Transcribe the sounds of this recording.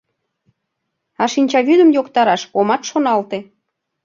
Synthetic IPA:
ɑʃinʲt͡ɕɑβyd̪ə̆mjokt̪ɑɾɑʃkomɑt̪ʃonɑlt̪e

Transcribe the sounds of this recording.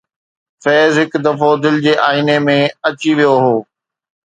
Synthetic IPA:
fɛːzɦɪkd̪ɐfoːd̪ɪld͡ʑeːʔaːɪnemẽɐt͡ɕiʋijoɦoː

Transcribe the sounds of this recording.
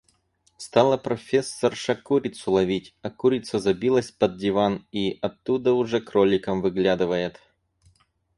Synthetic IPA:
st̪alˠəpɾɐfʲesːərʂɐkuɾʲɪt̪sʊlˠɐvʲitʲɐkuɾʲɪt̪səzɐbʲilˠəsʲpɐd̪̚dʲɪvaniʔɐt̪ːud̪əʊʐɛkrolʲɪkəmvɨɡlʲad̪ɨvəjɪt̪

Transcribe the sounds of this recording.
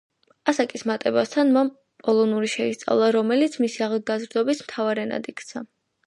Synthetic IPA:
asakʼismat̪ʼɛbast̪ʰanmam | pʼɔlˠɔnuɾiʃɛist̪sʼa̰vlˠaɾɔmɛlit̪sʰmisiaʁlˠɡazɾd̪ɔbismt̪ʰavaɾɛna̰d̪ikʰt̪sʰa

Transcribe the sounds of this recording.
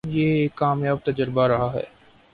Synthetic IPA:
jeeːkːaːmjaːb̚t̪ɐd͡ʒəɾbaɾɐɦaɦɛ̰ː

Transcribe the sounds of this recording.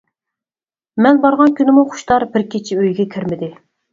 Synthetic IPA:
mɛnbɑɾʁɑnkʲynɪmuχʊ̥ʃt̪ɑɾbɪɾkʲʰit͡ʃʰɪøjɡʲɛkʲʰiɾmɪd̪ɪ

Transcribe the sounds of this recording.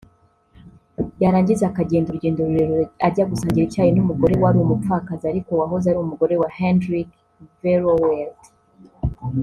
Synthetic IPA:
jaɾaːɲɟizaakaɟeːndoɾuɾɟeːndoɾuɾeɾoaɾɟaɡusaːɲɟiɾicaːjenumuɡo̞ɾe̞waɾiomup͡fakaziaɾikowaɦozaɾiumuɡo̞ɾe̞wahendɾik | veɾowelt

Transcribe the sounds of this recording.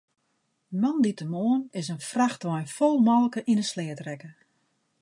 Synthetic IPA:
əmɔnditəmoːənɪsənfraxtʋɔjnfɔlˠmɔlˠkəʔinəslɛːtrɛkə

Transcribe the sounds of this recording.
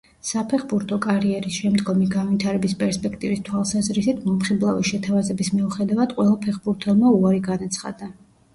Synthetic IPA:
sapʰɛχbuɾt̪ʰɔkʼaɾiɛɾisʃɛmd̪ɡɔmiɡanvit̪ʰaɾɛbispʼɛɾspʼɛk̚ʰt̪ʼivist̪ʰwalˠsazɾisit̪ʰmɔmχiblˠaviʃɛt̪ʰavazɛbismiuχɛd̪avad̪̥qʼwɛlˠapʰɛχbuɾt̪ʰɛlˠmauaɾiɡanat̪sʰχa̰d̪a

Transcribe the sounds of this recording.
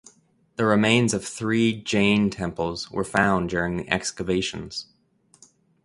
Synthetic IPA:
ðɨɹɪmẽɪ̃nzʌv̥θɹid͡ʒẽɪ̃ntʰɛ̃mpl̩ˠz̥wə̰˞fãʊ̃ndʊɹɪ̃ŋðḭʔɛkskɨveɪʃɨ̃n̩z̥

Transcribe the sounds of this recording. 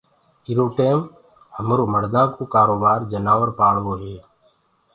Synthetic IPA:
ɪɾoːʈeːm | həmɾoːməɽd̪ãːkoːkaːɾoːbaːɾd͡ʒənaːʋəɾpaːɭʋoːɦeː

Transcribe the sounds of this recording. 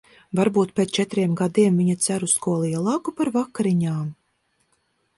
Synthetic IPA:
vaɾbuːt̪̚pʲet͡ʃɛt̪ɾiɛmɡad̪iɛmviɲat̪sæɾuskuɔlˠijɛlˠaːkupaɾvakːaɾiɲaːm

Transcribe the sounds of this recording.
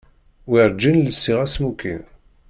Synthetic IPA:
wiɾˤd͡ʒːinləsːiʁæsmukḭn

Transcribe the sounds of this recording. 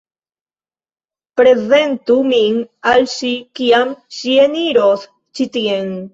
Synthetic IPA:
pɾe̞ze̞nt̪uminalʃikiamʃieniɾos | t͡ʃit̪ien

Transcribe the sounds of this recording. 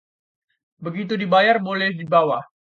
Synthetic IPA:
bəɡit̪udibajarbolɛhdibawa

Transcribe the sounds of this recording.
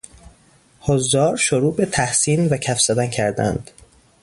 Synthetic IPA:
hozːɒːɾʃoɾuːbet̪ʰæhsiːnvæcʰæfz̥æd̪æncʰæɾd̪æ̰nd̪̥

